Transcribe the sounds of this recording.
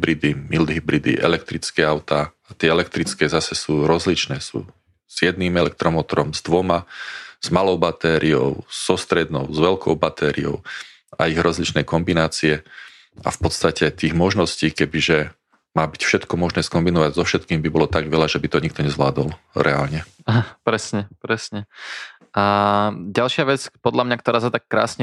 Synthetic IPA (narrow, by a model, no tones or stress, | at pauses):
ɦbɾid̪imild̪ɦibɾid̪ḭʔɛ̰lɛk̚t̪ɾit͡skɛːaʊt̪aːat̪ɪɛɛlɛkt̪ɾit͡skɛːzasɛsuːɾɔzlit͡ʃnɛːsṵː | z̥jɛd̪niːmɛlɛk̚t̪ɾɔmɔt̪ɔɾɔmzd̪ʋɔmaz̥malɔʊbat̪ɛːɾʔiɔ̰ʊz̥ɔst̪ɾɛd̪nɔʊzʋɛlkʰɔʊbat̪ʰɛːɾiɔ̰ʊ | a̰iɣɾʔɔzlit͡ʃnɛjkɔmbinaːt͡siɛ | a̰fpɔt̪st̪acɛt̪iːɣmɔʒnɔsciːkɛbiʒɛ | maːbicfʃɛt̪kɔmɔʒnɛːskɔmbinɔʋaɟzɔfʃɛt̪kiːmbibɔlɔt̪aɡʋɛlaʒɛbit̪ɔɲik̚t̪ɔɲɛzʋlaːd̪ɔl | ɾʔɛa̰ːlɲɛ | aɦapɾɛsɲɛpɾɛsɲɛ | aɟalʃɪaʋɛt͡spɔd̪lamɲakt̪ɔɾaːsat̪akːɾa̰ːsɲɛ